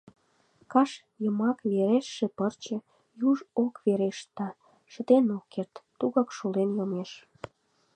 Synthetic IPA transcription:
kɑʃ | jəmɑkβeɾeʃːepərt͡ɕə̆ | juʒokveɾeʃt̪ɑ | ʃə̆t̪enokːert̪ːuɣɑkʃulenjomeʃ

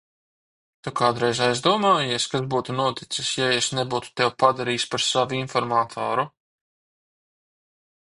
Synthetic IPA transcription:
t̪ukat̪ɾɛjzajzd̪uɔmaːjiɛskasbuːt̪unuɔt̪it̪sisjaesnebuːt̪u̥t̪ɛwpad̪aɾiːspaɾsavuinfɔɾmaːt̪ʰo̰ːɾu

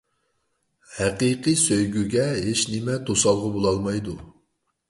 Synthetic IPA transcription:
hæqiqɨsøjɡʲyɡʲɛɦeʃnɪmɛt̪ʰosɑlˠʁɑbolˠɑlˠmɑjd̪u

